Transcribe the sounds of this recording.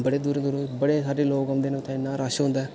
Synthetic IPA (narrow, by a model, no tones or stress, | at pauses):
bəɽeːd̪uːɾẽːd̪uːɾẽbəɽeːsaːɖeːloːkəmd̪eːnũːt̪ʰɛ̃ːɪnːaːɾaːʃɦʊ̃nd̪aɛː